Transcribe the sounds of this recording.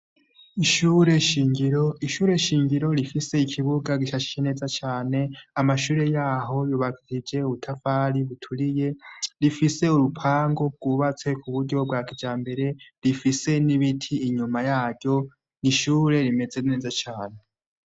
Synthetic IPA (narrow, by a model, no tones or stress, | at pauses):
iʃuːɾe̞ʃiːŋɡiɾo̞iʃuːɾe̞ʃiːŋɟiɾo̞ɾifise̞ikʰiβuɡaɡiʃaʃi̥t͡ʃene̞ːzat͡ʃaːne̞amaʃuːɾe̞jaːɦo̞juβakʰiid͡ʒe̞uβutʰafaːɾiβutʰuɾije̞ɾifise̞uɾupʰaːŋɡo̞b̚ɡ̥uːβat͡se̞kʰuβuɾɟo̞b̚ɡaːkid͡ʒaːmbe̞ɾe̞ɾifise̞niβitʰiːɲumajaːɟɟjo̞ | niʃuːɾe̞ɾime̞d͡ze̞ne̞ːzat͡ʃaːne̞